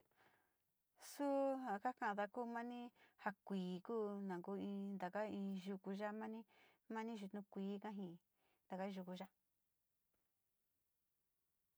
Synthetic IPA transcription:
su˦hã˨ka˦kã˦˧ða˧kuː˦mã˦nĩ˦ha˧kʷiː˨kuː˦nã˨ŋɡu˧˦ĩ˧nd̪a˨ka˦ĩː˧ʒu˧ku˧ʒa˦mã˦nĩ˦ | mã˦nĩ˦ʒu˧t̪nũ˧kʷiː˨˦kã˦ɦĩ˧˨ | nd̪a˨ka˦ʒu˧ku˧ʒa˦

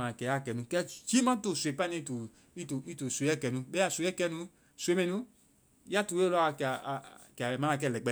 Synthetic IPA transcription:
ã˨kɛ˨a˦˨kɛ˨nũ˧˦kɛ˦t͡ʃi˦mã˦to˦˨su˨e˨pa˦nĩ˧˦to˨ | i˦to˨i˦to˨so˨˦ɛ˦˨kɛ˨nũ˧˦bɛ˦a˨so˨˦ɛ˦kɛ˧nũ˧ | so˨e˨˦mɛ̃˨nũ˧˦ | ja˦tu˨we˦lkkɛ˨a˨mã˨˦ã˧k̬ɛ˦˧˨lɛ˨k͡pɛ˨

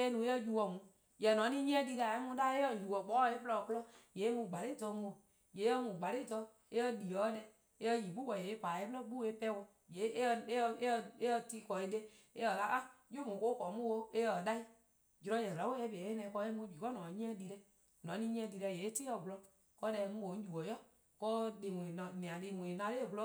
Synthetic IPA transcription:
e˦nũ˨˦e˦ə˦˧d͡ʒu˨wɔ˨mũ˨˦ | jɛ˨nɔ̃˨˦nĩ˦ɲĩ˦ɛ̃˦di˧ɾa˨e˦mũ˧˦da˦e˦ə˨ju˨wɔ˨k͡pɔ˨˦˧e˦plɔ˧˨ku˧lɔ˦je˨˦mũ˧˨ɡ͡ba˨ɾe˦˨tɔ˧˦mũ˨ | je˨˦ə˦mũ˨ɡ͡ba˨ɾe˦tɔ˧˦ | e˦ə˧di˨ɔ˨˦dɛ˧ | e˦ə˧ji˨ɓu˦wɔ˨e˨e˦kaː˨e˦plɔ˦ɓu˦e˦pɛ˦wɔ˧˨ | je˨˦˧e˦˧e˦˧e˦ə˧ti˧˦˨kɔ˨e˧˦de˦ | e˦ə˨ka˦ʔa˦jo˦mũ˨ko˦kɔ˨˦mũ˦wo˧e˦ə˨da˦i˦ | d͡ʒu˧ɾɔ̃˧˦jɛ˨a˨˦wo˦e˧˦be˦nɛ̃˧˨˧kɔ˧˦e˦mũ˧˦d͡ʒiː˨kɔ˦nɔ̃˨˦ɲĩ˦ɛ̃˧˦di˧ɾɛ˧ | nɔ̃˨˦nĩ˧˦ɲ̃˦ɛ̃˧˦di˨˧ɾɛ˧˨je˨e˦ti˦ɔ˨vu˧lɔ˧ | kɔ˧˦dɛ˧mũ˧˦ɓo˨˦n̩˦d͡ʒu˨ɔ˨jɔ˦ | kɔː˧˦˧de˨mũ˨ĩ˨ñ˨nĩ˨ã˨de˨mũ˨i˨nã˧le˦˨vu˧lɔ˦

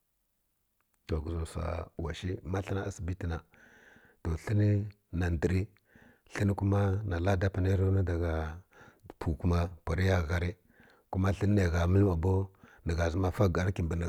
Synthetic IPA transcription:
to˨ɡu˨zo˨sa̰˨wa˨ʃi˦ma˦ɬi˦na˦a˦si˨bi˦ti˨na˨ | to˨ɬi˦ni˦ | na˨ndi˨ɾi˦ | ɬi˦ni˦ku˦ma˦na˨la˦da˦pa˨na˦ɾo˦na˦da˨ɡa˨ | pʰu˨ku˦ma˦pa˨ɾi˦ja˦˨ɣa˦ɾi˦ | ku˦ma˦ɬi˦n˦a˨ɣa˨mi˦lma˨bo˦nə˨ɣa˨zi˦ma˦fa˦ɡa˨ɾki˨mbi˨n˨

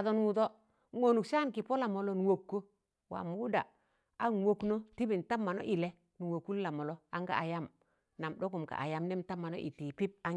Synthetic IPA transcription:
a˨to˦n˦wu˨to˦ | ŋo˨nu˨ksa˦nki˨po˦la˨mo˨lo˦n˨wo˨kːo˦ | wa̰˨mu˦da̰˨ | a˦n˨wo˦kno˦ti˦bi˨n˨ta˦mːa˨no̰˦ʔi˨le˦ | nu˨wo˨kːu˦lla˨mo˨lo˦a˦ŋɡa̰˦˨a˨ja˦m | na˨mɗo˦ku˨mka̰˨ʔa̰˨ja˦mne˦mta˦mːa˨no̰˦ʔḭ˨ti˨pi˦p̚a˦

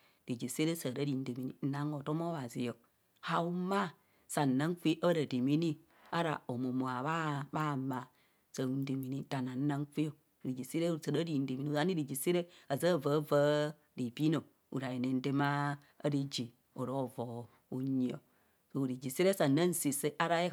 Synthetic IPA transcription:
ɾi˨d͡ʒi˨se˦ɾe˦sə˨ɾa˦ɾi˨n̩˦de˨mi˨ni˨n̩˦na˦ŋo˨to˦mo˦βa˨zi˨jo˨ | ha˨wu˦ma˦˨ | sa˨n̩˨na˦ŋfi˦ʔa˦ɾa˨de˨mi˦ni˦ | a˦ɾa̰˨o˨mo˨mo˨a˨βa˦ba˦˨ma˨ | sə˨u˨n̩˦de˨mi˨ni˦da˨na˨n̩˦na˦ŋki˦o˦˨ | ɾi˨d͡ʒi˨si˦ɾe˦sa˨ɾa˦ɾi˨n̩˦de˨mi˨˦i˦˨za˦ni˦ɾi˨d͡ʒi˨si˦ɾe˦a˨zə˦˨və˨˦və˦ | ɾi˨bi˦no˨ | ṵ˨ɾa˨ji˨ne˨n̩˦de˦ma˦ | a̰˦ɾi˦d͡ʒi˨ | o˨ɾo˦˨vo˨ | u˨ɲi˨o̰˨ | so˨ɾi˨d͡ʒi˨si˦ɾe˦sa˨na˦n̩˦si˨se˦ʔa˦ɾa˦e˦

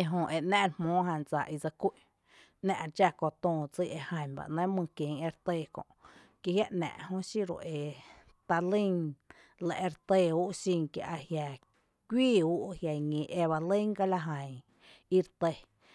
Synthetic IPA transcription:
e˧ɦõ˧ʔe˨ʔnɛ̃˦ʔɾmõː˨˦ɦã˧˨nd͡za̰˨ʔi˧d͡za˧kʷi˦ʔ | nɛ̰̃˧ʔd͡ʒa˧ko˧t̪õː˧˨t͡si˧˦˧ʔe˧hã˧ɲba̰˨ʔnã˦mɨ̃˧kjẽ˨ŋe˧ɾt̪e˧˨kõ̰˨ʔ | ki˧hja˦ʔnɛ̰̃˨ʔhõ˦ʃi˦ɾo̰˨ʔe˨ | t̪a˧lĩ˦ŋ | lḛ˧˨ʔe˧ɾt̪e˧u˦ʔʃĩ˧ŋkja̰˧ʔa˧hja˨ | kʷiː˦˨u˦ʔhja˨ɲĩ˨ʔe˧βa˧lĩ˦ŋka˧la˧ɦã˨ŋ | i˧ɾt̪e˧

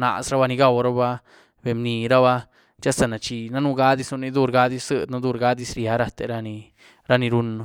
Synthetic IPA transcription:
na̰˨sɾa˦ba˧ni˧ɡa˧wɾa˦ba˦ | be˨mni˨ɾa˦βa˧ | t͡ʃa˦sa˧na˨t͡ʃi˧na˦nu˦ɡa˦d̪i˦snu˧ni˧d̪u˧ɾɡa˦d̪i˦ssɨ˦d̪na˦d̪u˧ɾɡa˦d̪i˧sɾja˨˦ɾa˧t̪e˧ɾa˧ni˧ | ɾa˦˧ni˧ɾu˦no˧

